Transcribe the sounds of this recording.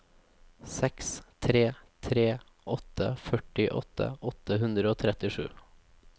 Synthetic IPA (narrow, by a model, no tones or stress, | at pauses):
sɛkst̪ʰɾeːt̪ʰɾeː | ʔɔt̪ə̰fœʈɪʔɔ̰t̪ə̰ʔɔt̪əɦʉnd̪ɾəoːt̪ʰɾɛt̪ɪʂʉ̰ː